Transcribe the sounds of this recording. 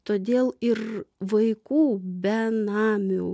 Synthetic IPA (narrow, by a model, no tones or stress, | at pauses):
t̪oːd̪ʲeːlˠɪrʋɐɪkuːbʲɛnɑːmʲuː